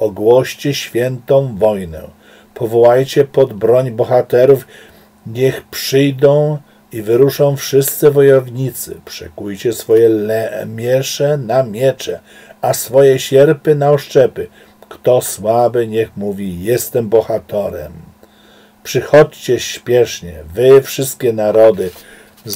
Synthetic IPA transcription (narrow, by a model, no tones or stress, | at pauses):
ɔɡwɔɕt͡ɕɛɕfʲjɛnt̪ɔ̃w̃vɔjnɛ̰̃ | pʰɔvɔwajt͡ɕɛpɔd̪bɾɔɲbɔxat̪ɛɾuf | ɲɛxpʂɘjd̪ɔ̃w̃ | ivɘɾuʂɔ̃w̃fʂɘst̪sɘvɔjɔvɲit̪sɘ̰pʂɛ̰kujt͡ɕɛsfɔjɛɛmʲjɛʂɛnamʲjɛt͡ʂɛ | asfɔjɛɕɛɾpɘnaɔʂt͡ʂɛpɘ | kt̪ɔswabɘɲɛxmuvʲijɛst̪ɛmbɔxat̪ɛɾɛ̰m | pʂɘxɔt͡ɕt͡ɕɛɕpʲjɛʂɲɛvɘfʂɘst̪̚kʲɛnaɾɔd̪ɘ